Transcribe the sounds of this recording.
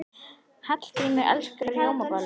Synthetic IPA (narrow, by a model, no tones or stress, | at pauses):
hat̪l̥t̪ʰimɪʔɛ̰lskɾɛɾjowmakal